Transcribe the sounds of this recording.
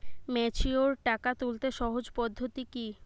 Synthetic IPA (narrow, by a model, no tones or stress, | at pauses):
mɛt͡ɕʰioɾʈakat̪ult̪eʃɔɦod͡ʑpɔd̪ʱːot̪iki